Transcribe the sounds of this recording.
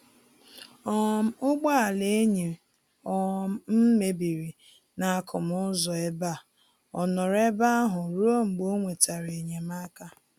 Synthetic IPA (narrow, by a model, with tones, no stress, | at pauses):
ɔ˨m˦ʊ˦ɡ͡ba˦a˨le˨e˦ɲe˨ | ɔ˨m̩˦me˨bi˨ɾi˨ | na˨a˨kʰʊ˨mʊ˦zɔ˨e˦ba˦˨ | ɔ˨nɔ˨ɾe˦ba˦a˦ɦʊ˨ɾu˦o˦ŋ͡m̩˨ɡ͡bo˦ŋʷe˨ta˨ɾe˨ɲe˨ma˦ka˦